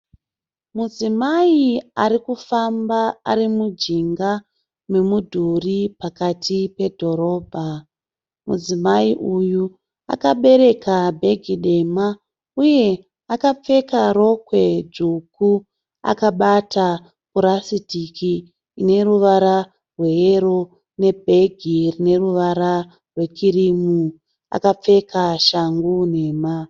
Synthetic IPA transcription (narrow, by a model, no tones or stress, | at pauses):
mud͡zimaiaɾikufambaa̰ɾimud͡ʒiŋɡa | me̞mudʱuripakatʰipe̞dʱo̞ɾo̞ːbʱa | mṵd͡zimaiʔuju | a̰kaɓe̞ɾe̞kabʱe̞ɡʱiɗe̞ma | uje̞ | akap͡fe̞kaɾo̞kwe̞d͡ʐuku | a̰kaɓatʰa | kuɾasitikiː | ne̞ɾuʋaɾa | rwe̞eɾo | ne̞bʱe̞ɡʱirine̞ruʋaɾa | rwe̞t͡ʃiɾimu | a̰kap͡fe̞kʰaʃaŋɡune̞ːma